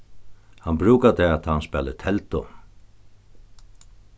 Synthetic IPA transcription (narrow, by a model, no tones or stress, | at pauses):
hanbɾʉːkat̪ʰɛat̪ʰaːanspɛːlɪ̰t̪ʰɛlt̪ʊ